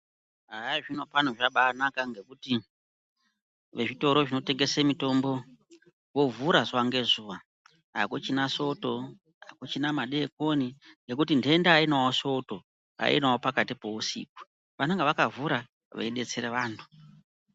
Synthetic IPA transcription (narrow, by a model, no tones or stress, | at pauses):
ɦajaʐino̞panoʐaɓaːnakaŋɡe̞kuti | ʋe̞ʐito̞ɾo̞ʐino̞te̞ŋɡe̞semito̞mbo̞ | wo̞vuɾazwaŋɡe̞zuːʋa | a̰kot͡ʃinaso̞to̞ | akot͡ʃinamaɗek̚o̞niŋɡe̞k̬utindendainawoso̞to̞ | a̰ḭnawopakatipo̞usḭːk̚u̥ | ʋaneŋɡeʋakavuɾa | ʋḛiɗe̞t͡seɾeʋaːntʰu̥